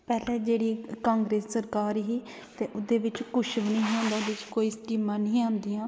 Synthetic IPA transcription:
pɛːlɛːd͡ʒeːɽiːkãːŋɡɾeːsːəɾkaːɾɦiː | t̪eːʔʊd̪eːʋɪt͡ʃkʊʃʋnə̃ɦiːõːnd̪aːd̪ɪt͡ʃkoːiːsʈiːmãːnəĩːãːnd̪iːãː

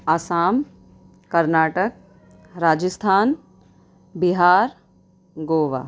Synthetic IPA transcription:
asaːm | kɐɾnaːʈək̚ | ɾaːd͡ʒəst̪ʰaːn | biɦaːɾ | ɡoːʋa̰ː

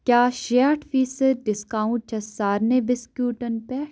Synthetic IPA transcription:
kjaːʃeʈʰfiːsəd̪̚ɖɪskaːũɳʈ̚t͡ʃʰɐsaːɾnebɪskjuːʈɐnpɛː

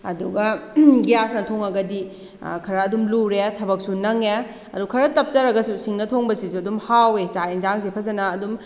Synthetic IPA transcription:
ɐ̰duɡɐɡijasnɐtʰoŋɐɡɐdi | kʰɐɾɐːdumluɾetʰɐbɐk̚sunɐŋe | ɐ̰dukʰɐɾɐtɐp̚t͡ʃɐɾɐɡɐsusiŋnɐtʰoŋbɐsisuɐdumhawet͡ʃainzaŋzepʰɐzɐnɐːdum

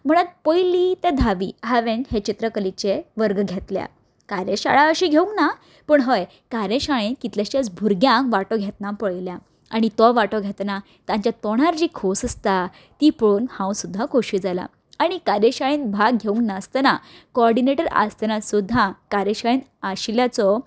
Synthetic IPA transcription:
m̤əɽ̃at̪̚pəjlit̪ed̪ʱaʋḭːɦaʋenhet͡ɕit̪ɾəkəlit͡ɕeʋəɾɡɡʱet̪lja̰ | kaɾjeɕa̰ɭaəɕiɡʱeũŋkna | pəːɳɦəj | kaɾẽɕaɭenkit̪ljaɕjat͡sbʱuɾɡjãŋkʋaʈɔɡʱet̪nãpəɭlja | aɽ̃it̪ɔʋaʈɔɡʱet̪na | t̪ãɲt͡ɕjat̪ɔɽ̃aɾd͡ʑiːkʰosəst̪a | t̪ipɽoːnhãwsud̪ʱːakoɕiːd͡zala̰ | aɽ̃ikaɾeɕaɭẽnbʱaɡ̚ɡʱeũŋknast̪ənakoɔɾɖineʈəɾa̰st̪ənasud̪ʱːãkaɾeɕaɭẽnaɕljat͡sɔ

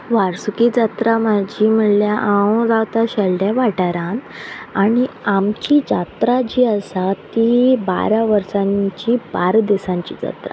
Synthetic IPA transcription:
ʋaɾsukiːd͡zat̪ɾamad͡ʑiːm̤əɽljaʔãwd͡zawt̪aɕəlɖjaʋaʈaɾãn | aɽ̃iamt͡ɕiːd͡zat̪ɾad͡ʑiːəsat̪iba̰ɾaʋəɾsãɲt͡ɕiːbaɾd̪isãɲt͡ɕḭːd͡za̰t̪ɾa̰

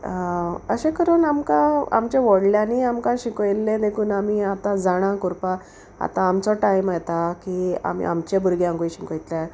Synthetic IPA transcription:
ə̰ɕẽkəɾəːnamkãa̰mt͡ɕeʋɔɽljaniamkãɕikojlːẽd̪ekʰuːnamiat̪ãd͡zaɽ̃ãkuɾpa | a̰t̪ãːmt͡sɔʈajmajt̪akia̰mḭa̰mt͡ɕebʱuɾɡjãŋɡujɕikojt̪la

